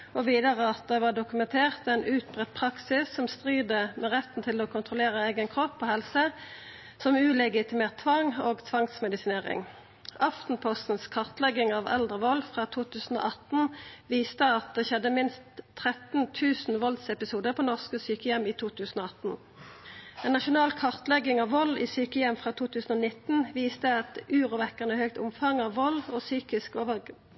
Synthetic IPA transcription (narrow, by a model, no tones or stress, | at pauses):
oʋiːd̪əʁəɑt̪̚ɛʋɑːɖ̪ʊkʉmɛnt̪ʰeːʁt̪ɛnʔʉːt̪bʁɛt̪̚pʰʁɑksɪsːɔmst̪ʁyːd̪əmɛʁɛt̪n̩t̪ʰɪloːkʰʊnt̪ʰʁʊleːʁəeɪɡənkʰʁɔpʰːoːhɛlsə | sɔmʉːlɛɡɪt̪ʰɪmeːʁt̪ʰːʋɑŋoːɡt̪ʰʋɑŋsmɛd̪ɪsɪneːʁɪ̰ŋ | ʔɑft̪n̩pʰɔst̪n̩skʰɑʁt̪lɛɡɪŋɑʋɛ̰ld̪ʁəʋɔlfʁɑːt̪ʰuːt̪ʰʉːsn̩o̰ːʔɑt̪n̩ʋiːst̪əɑt̪̚d̪ɛʃɛd̪ːəmɪnst̪ʰːʁɛt̪n̩t̪ʰʉːsn̩ʋɔlsɛpɪsuːd̪əpʰɔːnɔʁskəsyːkəjɛmiːt̪ʰuːt̪ʰʉːsn̩oːɑt̪n̩ | ɛːnːɑʃʊnɑːlkʰɑʁt̪lɛɡɪŋɑʋʋɔlːḭːsyːkəjɛmfʁɑːt̪ʰuːt̪ʰʉːsn̩ɔnɪt̪n̩ʋiːst̪əɛt̪ʉːʁʊʋɛkːəʁnəhœk̚t̪ʊ̰mfɑŋɑːʋːɔlːoːsyːkɪskoːʋə